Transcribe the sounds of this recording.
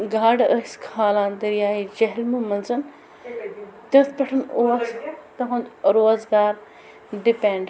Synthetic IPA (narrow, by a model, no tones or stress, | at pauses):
ɡaːɖɐ̰ɾɐskʰaːlãːnd̪ɐɾjaːid͡ʒɐɦɪlmumɐnzɐn | t̪ɐt̪ʰpɐʈʰɐnoːst̪ɐɦõnd̪ɾoːzɡaːɾ | ɖɪpẽɳɖ